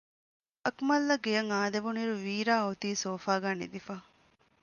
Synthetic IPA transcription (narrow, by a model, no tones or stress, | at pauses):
ɐkmɐlːɐɡejɐŋaːd̪eʋuniɾuʋiːɾaːut̪iːsoːfaːɡaːnḭd̪ifaː